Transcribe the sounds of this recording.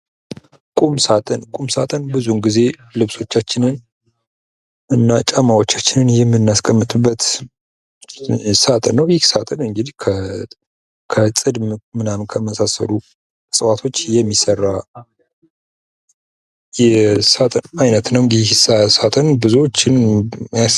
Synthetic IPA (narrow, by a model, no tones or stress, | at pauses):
kʼumsat̪ʼənkʼumsat̪ʼənbɨzunɡize̞ | lɨβso̞t͡ʃːat͡ʃːɪnɨn | ʔɨnːat͡ʃʼamawo̞t͡ʃːat͡ʃːɪnɨnjɛmːɨnːaskʼəmːɨt̪ʼɨbːət̪ | sat̪ʼənːəwjɪhsat̪ʼənɨŋɡɨd̪ikʰə | kʰət͡sʼɨd̪mɨnamnkʰəməsasə̰lu | sʼəwat̪ʰo̞t͡ʃːjɛmːisərːa | jɛsat̪ʼənajnət̪nəwɨŋɡɨd̪isasat̪ʼənbɨzuwot͡ʃːɪnja